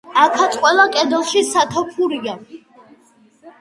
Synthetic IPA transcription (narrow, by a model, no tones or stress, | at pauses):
akʰat̪sʼqʼwɛlˠakʼɛd̪ɔlˠʃisat̪ʰɔpʰuɾia